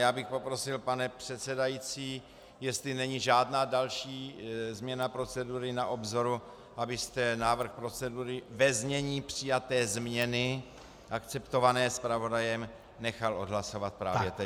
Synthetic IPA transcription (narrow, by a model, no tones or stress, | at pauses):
jaːbɪxpo̞pɾo̞sɪlpanɛpr̝̥ɛt̪t͡sɛdajit͡siː | jɛst̪lɪnɛɲiʒaːdnaːdalʃiːzmɲɛnapɾo̞t͡sɛduɾɪnaʔo̞bzo̞ɾu | ʔabɪst̪ɛnaːvr̩xpɾo̞t͡sɛduɾɪvɛzɲɛɲiːpr̥ɪjat̪ɛːzmɲɛnɪ | ʔakt͡sɛpt̪o̞vanɛːspɾavo̞dajɛm | nɛxalʔo̞dɦlaso̞vat̪̚pɾa̰ːvjɛt̪ɛ